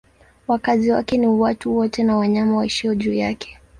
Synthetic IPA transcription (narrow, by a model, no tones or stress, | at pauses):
wakaziwa̰kɛniwatuwɔtɛnawaɲamawaiʃiɔʄuːjakʰɛ̥